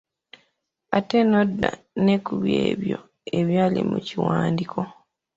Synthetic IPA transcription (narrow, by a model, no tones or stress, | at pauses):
atenodːa̰ | ne̞kuβjeːβjo̞ | eβjaːlimuciwaːndikʰo̞